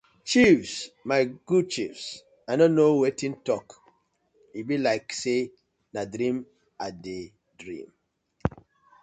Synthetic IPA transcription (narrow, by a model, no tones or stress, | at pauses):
t͡ʃifsmaɪɡ̥ud̚t͡ʃifs | anɔnowetĩntɔk | ibilaɪkse | nadɾĩm | ade | dɹḭ̃m